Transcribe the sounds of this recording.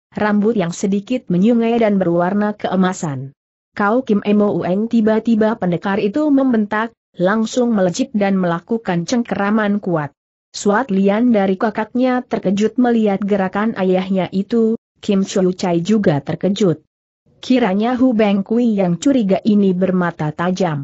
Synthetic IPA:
rambʊt̪jaŋsədikɪt̪̚məɲuŋajdanbərwarnakəʔəmasan | kawkɪmʔɛmoʔuʔɛnt̪ibat̪ibapəndəkarit̪uməmbənt̪ak̚ | laŋsʊŋmələd͡ʒɪp̚danməlakukant͡ʃəŋkəɾamankuat̪̚ | suat̪liandaɾikakak̪̚ɲat̪ərkəd͡ʒʊt̪̚məliat̪̚ɡəɾakanʔajahɲaʔit̪u | kɪmt͡ʃɔut͡ʃajd͡ʒuɡat̪ərkəd͡ʒʊt̪̚ | kʰiɾaɲaɦubɛŋkuijaŋt͡ʃuɾiɡaʔinibərmat̪at̪ad͡ʒam

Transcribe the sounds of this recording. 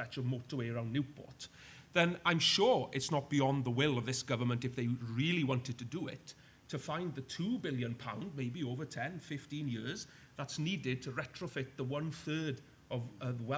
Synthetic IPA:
ɛt͡ʃəvmoːˑtəweɪəɹãʊ̃nːjʉpʰɔ̰ɹt | ðə̃nãɪ̃mʃʊːɹɪtsnət̚b̥iɒ̃nðəwɪlˠəvðɪsɡ̥ʌvə˞mə̃ntɨfðeɪɹɪlˠiwɑ̃ntɨd̚tʰədəɪ̰tʰː | əfãɪ̃nðətʰubɪlˠjə̃npʰã̰ʊ̃nd̚meɪbioʊvə˞tʰɛ̃nfɪftĩnjɪɹz | ðatsniːdɪd̚tʰəɹɛtɹ̥əfɪt̪̚ðəwʌ̃nθɜːd | əvəwɛ

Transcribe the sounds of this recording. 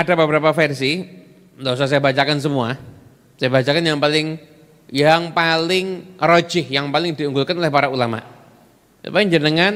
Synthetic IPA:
ʔadabəbəɾapafɛrsi | ndos̬as̬ajabat͡ʃakans̬əmua | sajabat͡ʃakanjaŋpalɪŋ | jaŋpalɪŋro̥d͡ʒ̥ɪhjaŋpalɪŋdiuŋɡulkanolɛhpaɾaulama̰ʔ | sa̰paɲd͡ʒənəŋan

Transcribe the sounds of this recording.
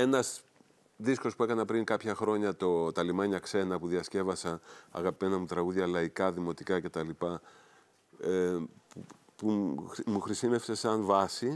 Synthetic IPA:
e̞nɐz | ðisko̞spue̞kɐnɐpɾiŋkɐpçɐxɾo̞ɲɐt̪o̞t̪ɐlimɐɲɐkse̞nɐpuðiɐsce̞vɐsɐɐ̰ɣɐpenɐmut̪ɾɐɣuðʝɐlɐikɐðimo̞t̪ikɐce̞t̪ɐlipɐ | pu | pumuxɾisime̞fse̞sɐnvɐsi

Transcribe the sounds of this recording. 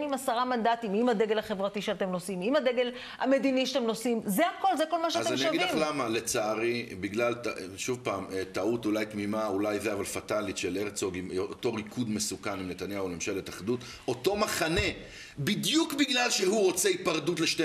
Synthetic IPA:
imasaʁamand̪at̪imimad̪eɡelaχe̞vʁatiʃeatemno̞simimad̪eɡe̞l | a̰me̞d̪iniʃat̪emno̞simzeako̞lzeko̞lmaʃeaazeamniaɡivliaχlamale̞t͡saːʁibiɡlaltaʃuvpaːmet̪autulajt̪mimaulajzeavalfat̪alitʃeleʁt͡soɡimoot̪o̞ʁikʰud̪mesukanimnet̪anjaulemʃelet̪aχd̪ut | o̞to̞maχane̞ | bid̪jukbiɡlalʃehuʁo̞t͡seipaʁdutleʃte

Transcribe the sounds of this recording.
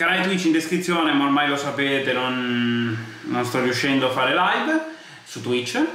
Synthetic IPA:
kanalet̪̬wit͡ʃːind̪eskɾit̪sːjoːnemaormajlosapeːt̪enon | onst̪ɔriuʃːɛnd̪oafːaːɾelajv | sut̪ːwit͡ʃː

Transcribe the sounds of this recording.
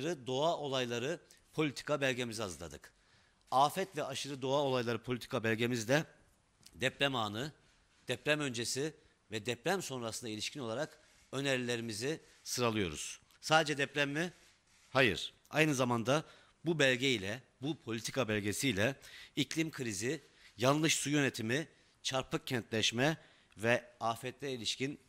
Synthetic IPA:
ɾɯd̪o̞ao̞lˠajlˠaɾɯ | pʰo̞lʲit̪ʰi̥kʰabɛlʲɟe̞miziazlˠa̰d̪ɯ̰k | aːfɛt̪vɛʔaʃɯɾɯd̪o̞ao̞lˠajlˠaɾɯpʰo̞lʲit̪ʰi̥kʰabɛlʲɟe̞mizd̪ɛ | d̪ɛpɾæmaːnɯ | d̪̥ɛpɾæmø̞nd͡ʒesi | vɛd̪ɛpɾæmso̞nɾasɯnd̪ailʲiʃcʰino̞lˠaɾak | ø̞neɾilʲe̞ɾimizi | sɯɾalˠɯjo̞ɾṵz̥ | saːd̪ed͡ʒɛd̪ɛpɾæmːi | hajɯ̰ɾ̥ | a̰jnɯzamand̪a | bubælʲɟejlʲɛbupʰo̞lʲit̪ʰi̥kʰabɛlʲɟesijlʲɛiclʲimkʰɯɾizi | jalˠlˠɯʃsujø̞net̪ʰimi | t͡ʃʰaɾpʰɯk̚cʰːɛnt̪lʲɛʃmɛ | vɛaːfɛt̪lʲɛilʲiʃcin

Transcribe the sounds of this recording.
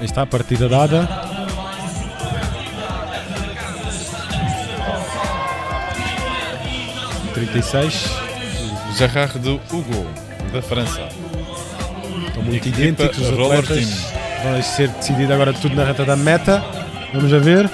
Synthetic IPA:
iʃt̪apɐɾt̪iðɐðaðɐ | t̪ɾĩnt̪ɐjsɐjʃ | ʒɐʁaʁðɨuɣolˠ | ðɐfɾɐ̃sɐ̰ | ʃt̪ɐ̃w̃mũt̪uiðiẽntpikuuzɐtʁlˠɛɔɾt̪ɐinvɐ̃ɐseɾd̪ɨsiðiðɐɣɔɾɐt̪uðunɐʁɛt̪ɐðɐmɛt̪ɐ | vɐmuʒɐveɾ

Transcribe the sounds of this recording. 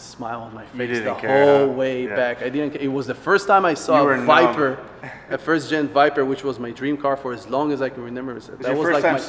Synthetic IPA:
smaɪlˠə̃n̩maɪfesðəoʊlˠweɪbækaɪdɪdn̩kɪt̚wʌzðɨfɜ˞stʰãɪ̃maɪsɔəvaɪpə˞ | ɨfɜ˞sd̥ʒ̥ɛ̃nvaɪpə˞wɨt͡ʃwʌzmaɪdɹĩmkʰɑɹfə˞ɨzlɔ̃ŋɨzaɪkn̩ɹɨmɛ̃mbə˞sðət̚wʌzlaɪmaɪ

